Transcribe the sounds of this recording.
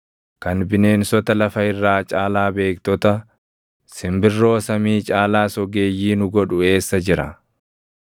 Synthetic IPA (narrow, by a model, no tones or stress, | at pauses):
kɐnbɪne̞ːnsɔt̪ɐlɐfɐɪrːaːt͡ʃʼaːlaːbe̞ːkt̪ɔt̪ɐ | sɪmbɪrːo̞ːsɐmiːt͡ʃʼaːlaːsɔɡe̞ːjːiːnʊɡɔᶑʊe̞ːsːɐd͡ʒɪɾɐ̰